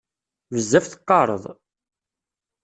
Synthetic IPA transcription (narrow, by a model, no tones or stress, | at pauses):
vəzːæfθə̥qːɑɾˤə̰ðˤ